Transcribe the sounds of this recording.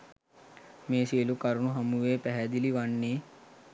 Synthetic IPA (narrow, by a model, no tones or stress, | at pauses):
mẽːseːlukɐɾunũɦɐmuʋeːpɛɦɛd̪iliʋɐnːe